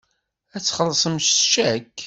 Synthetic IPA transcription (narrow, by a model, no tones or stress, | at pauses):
æt͡sːχəlːsˤəmʃʃæk